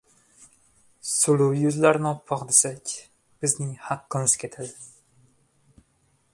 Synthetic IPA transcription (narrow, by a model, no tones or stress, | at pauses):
sʊlˠʊwjʊzlaɾnɪɒpʰːɒqd̪esakʲ | b̥ɪznɪŋhaqːɨmɪzkʲʰet̪ʰad̪ɪ